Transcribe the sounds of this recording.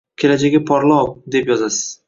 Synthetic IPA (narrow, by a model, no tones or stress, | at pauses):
kʲʰe̞lad͡ʒaɡʲɪpʰɒɾlˠɒwd̪e̞pjɒzasɪ̥z̥